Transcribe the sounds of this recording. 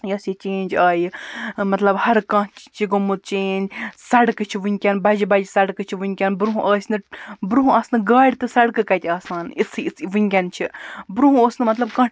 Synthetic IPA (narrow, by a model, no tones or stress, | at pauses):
jɐsit͡ʃeːnʲd͡ʒaːjimɐt̪lɐbhɐɾkɐ̃t͡ʃt͡ʃʰiɡɐmːut̪̚t͡ʃeːnʲd͡ʒsɐɽkɨt͡ʃʰiʋunʲkʲɐnbɐd͡ʒibɐd͡ʒisɐɽkɨt͡ʃʰiʋunʲkʲɐnbɾuɦũʔɐːsʲnɨbɾuɦũɐːsnɨɡaːɽʲt̪ɨsɐɽkɨkɐt̪ʲaːsaːnisʰɨit͡sʋuŋʲkʲɐnt͡ʃʰibɾuɦũoːsnɨmɐt̪lɐbkɐ̃